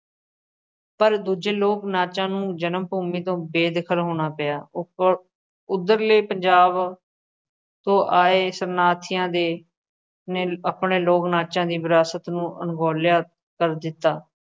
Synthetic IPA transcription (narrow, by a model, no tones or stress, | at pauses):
pəɾd̪uːd͡ʒeːloːknaːt͡ʃãːnũːd͡ʒənəmpuːmiːt̪õːbeːd̪ɪkʰəlɦoːɽ̃aːpəaː | ʊd̪əɾleːpəɲd͡ʒaːb | t̪õːʔaːeːsənaːt̪ʰɪjãːd̪eː | neːəpɳeːloːknaːt͡ʃãːd̪iːʋɪɾaːsət̪nũːʔə̰nɡoːljaː | kəɾd̪ɪt̪ːaː